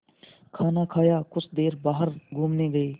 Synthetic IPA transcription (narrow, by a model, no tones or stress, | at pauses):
kʰaːnaːkʰaːjaːkʊt͡ʃʰd̪eːɾbaːɦəɾɡʱuːmneːɡəeː